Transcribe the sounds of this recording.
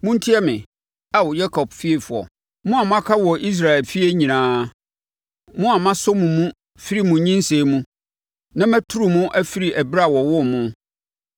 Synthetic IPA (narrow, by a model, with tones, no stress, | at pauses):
mũ˦n̩˦tʰi˦ɛ˦mɪ̃˨ | a˨wɔ˨ja˦kʰɔ˨b̚fi˦e˨fʊ˨ɔ̰˨ | mʊ̃˦a˨m̃˦a˦kʰa˦wɔ˨ʔi˦s̬ɾa˨ɛ˨lfi˦e˦ɲĩ˨nãː˨˦ | mʊ̃˦a˨mã˦sʊ˦mũ˨mũ˦ | fi˦ɾi˨mũ˨ɲĩ˦n˦se˨mũ˦ | nã˦mæ˦tʰu˦ɾu˨mʊ̃˦ʔæ˦fi˦ɾi˨ʔæ˨bɾa˦˨wɔ˨wʊ˦mʊ̃˦